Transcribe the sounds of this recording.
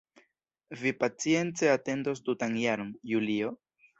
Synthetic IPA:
vipat͡sie̞nt͡se̞ate̞ndos̬dutanjaɾonjulio̞

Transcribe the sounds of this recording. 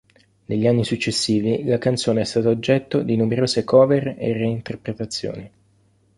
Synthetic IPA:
neʎːianːisut͡ʃːesːiːvilakant̪soːneɛst̪aːt̪aod͡ʒːɛt̪ːod̪inumeɾoːsekɔːveɾḛrːeint̪erpɾet̪at̪sːjo̰ːni

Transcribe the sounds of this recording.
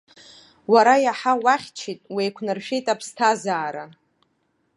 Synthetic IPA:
waɾajaħawaχʲt͡ʃʰitʼwejkʷʰnɨrʃᶣejtʼapʰstʰazaːɾa

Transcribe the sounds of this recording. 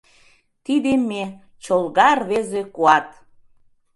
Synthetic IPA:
t̪id̪eme | t͡ɕolɣɑrβezekuɑt̪

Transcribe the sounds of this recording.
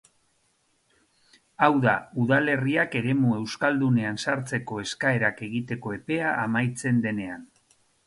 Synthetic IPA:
awðauðale̞riake̞ɾe̞mue̞wskald̪une̞ansaɾt͡se̞ko̞e̞skae̞ɾake̞ɣit̪e̞ko̞e̞pe̞aʔːmajt͡se̞nd̪e̞ne̞an

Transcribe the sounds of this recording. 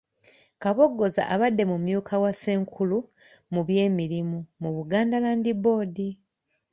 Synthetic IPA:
kaβo̞ɡːo̞za̰ʔaβadːe̞mumjuːkʰawase̞ːŋkʰulu | muβje̞ːmiɾimumuβuɡaːndalaːndibo̞ːdi

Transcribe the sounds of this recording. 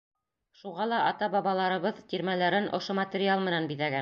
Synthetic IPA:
ʃuʁɑlˠɑʔːt̪ɑbɑβɑlˠɑɾɤ̆βɤðt̪iɾmælæɾɘnʔŏ̰ʃomɐt̪ʲɪɾʲɪalˠmɘ̆nænbiðæɡæ

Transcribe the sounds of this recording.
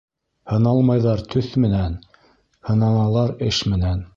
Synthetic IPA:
hɤ̆nɑlˠmɑjðɑɾt̪ʰɵθmɘ̆næn | hɤ̆nɑnɑlˠɑɾɘʃmɘ̆næn

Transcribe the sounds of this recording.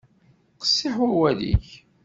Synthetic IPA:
qə̥sːɪħwæwælḭç

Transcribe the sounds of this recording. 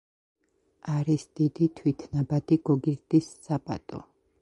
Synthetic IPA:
aɾisd̪̥id̪it̪ʰwit̪ʰnabad̪iɡ̥ɔɡiɾd̪isːapʼa̰t̪ʼɔ̰

